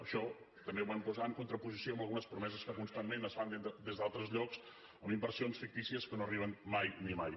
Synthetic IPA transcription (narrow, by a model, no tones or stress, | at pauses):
əʃɔ | t̪əmbeuβampuzaŋkunt̪ɾəpuzisioəmbəlˠɣunəspɾumɛzəskəkunst̪amːenəzfand̪əd̪ezd̪alˠt̪ɾəzʎɔks | əmimbəɾsionsfik̚t̪isiəskənoəriβ̞ənmajnimaj